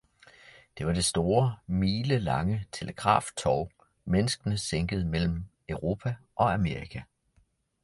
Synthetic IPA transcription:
d̥e̝ʋɑ̈d̥e̝sd̥o̝ːɐmiːləlɑ̈ŋət͡sʰe̝ləɡ̥ʁɑ̰̈ːft͡sʰɒʊ | menəsɡ̥ənəseŋ̰ɡ̥əð̞̩ˠmel̰m̩ | œʊʁo̝ːpʰæʔɒ̽æme̝ːʁikʰæ

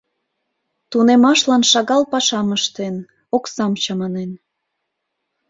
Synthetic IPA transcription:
t̪unemɑʃlɑnʃɑɣɑlpɑʃɑməʃt̪en | oksɑmt͡ɕɑmɑnen

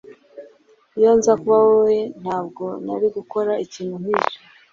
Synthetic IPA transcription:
jo̞ːnzakuβawowen̥haːbɡo̞na̰ɾiɡuko̞ɾaʔiciːnuɦiːʒo

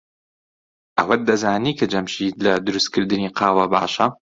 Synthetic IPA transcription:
ʔɐwɐt̚d̪ɐzaːniːkʰɐd͡ʒɐmʃiːlɐd̪ʊɾust̪̚kʰɨɾd̪ɨniːqʰɑːwɐba̰ːʃɐ

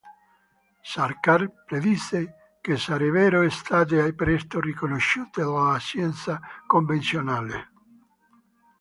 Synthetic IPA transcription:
saɾkarpɾeðise | kesːaɾevɛːɾoest̪aːt̪̬ɪajpɾɛst̪orikonoʃːuːt̪ed̪alasjɛnt̪sakomvent̪sjonaːlḛ

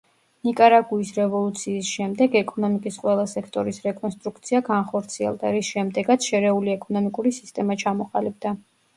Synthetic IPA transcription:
nikʼaɾaɡuisɾɛvɔlˠut̪sʰiːsʃɛmd̪ɛɡɛkʼɔnɔmikʼisqʼwɛlˠasɛkʰt̪ʼɔɾisɾɛkʼɔnst̪ʼɾukt̪sʰiaɡanχɔɾt̪sʰiɛ̰lˠd̪aɾisʃɛmd̪ɛɡat̪sʰʃɛɾɛuliɛkʼɔnɔmikʼuɾisi̥st̪ʼɛmat͡ʃʰamɔqʼalib̚d̪a

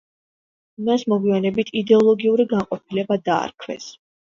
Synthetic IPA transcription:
masmɔɡwianɛbit̪ʰid̪ɛɔlˠɔɡiuɾiɡaɴqʼɔpʰilɛbad̪a̰ːɾkʰwɛ̰s

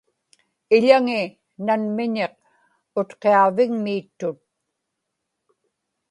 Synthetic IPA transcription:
ɪʎaŋɪ | nanmɪɲeq̚ | ʊt̪qeɑvɪŋmiːt̪ːʊt̪̚

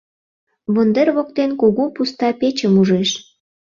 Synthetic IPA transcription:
βənd̪erβok̚t̪enkuɣupust̪ɑpet͡ɕəmuʒeʃ

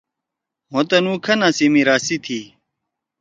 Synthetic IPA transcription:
mot̪ɐnuːkʰɐnãsimiɾaːsit̪ʰiː

